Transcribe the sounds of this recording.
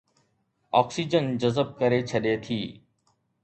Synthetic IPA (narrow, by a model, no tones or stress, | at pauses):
ɔːksiːd͡ʒənd͡ʒəzəb̚kəɾet͡ʃʰəɗet̪ʰiː